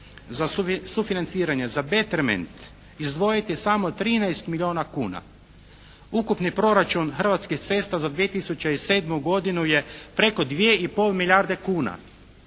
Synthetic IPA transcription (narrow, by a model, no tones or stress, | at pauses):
zasufinant̪siːɾaɲe̞zabe̞t̪eɾmḛnt̪ | izd̪ʋo̞jit̪jesamo̞t̪ɾiːnajst̪milʲio̞ːnakuːna̰ | ukupnipɾo̞ɾat͡ʃunxər̩ʋat̪skixt̪se̞st̪azad̪ʋijet̪isut͡ɕeise̞ːd̪muɡo̞d̪inuje̞pɾe̞ko̞d̪ʋjeipo̞lˠmilʲjaɾd̪e̞kuːna̰